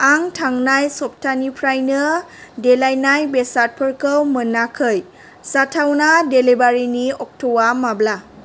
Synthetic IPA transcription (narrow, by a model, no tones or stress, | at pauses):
aŋtʰaŋnajsɔp̚tʰanipʰɾajnɯdɛlajnajbɛsat̚pʰəɹkɯwmɯnakʰɯj | satʰawnadelebaɹiniɔk̚tʰɔwamabla